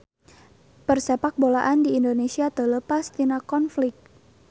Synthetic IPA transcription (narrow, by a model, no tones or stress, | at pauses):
pərsepak̚bolaʔandiindonesiat̪ələpast̪inakɔnflɪk̚